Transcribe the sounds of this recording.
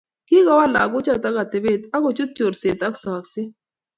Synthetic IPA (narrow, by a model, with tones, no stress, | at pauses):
ki˦ka˦wa˦la̰ː˨ɡo˦t͡ʃa˦˨t̪a˦ka˨t̪e˨be˦˨t̪a˦ko˨t͡ʃu˦t̪̚t͡ʃo˨ɾseː˨t̪a˦ksaː˨kse˦